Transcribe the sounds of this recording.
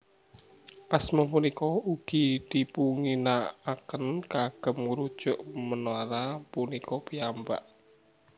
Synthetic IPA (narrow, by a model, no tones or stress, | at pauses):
ʔasmɔpunikɔuɡ̥i̤d̪̥ipuŋinaakənkaɡ̥ə̤mɾud̥ʒ̥ʊʔmənoaɾapunikʰɔpiamba̰ʔ